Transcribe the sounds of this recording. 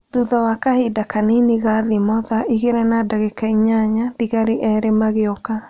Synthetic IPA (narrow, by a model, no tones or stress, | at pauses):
ðuðɔwakahedakanineɣaðimɔðaiɣeɾɛnadaɣekaiɲaɲadiɣaɾiʔɛːɾemaɣeɔka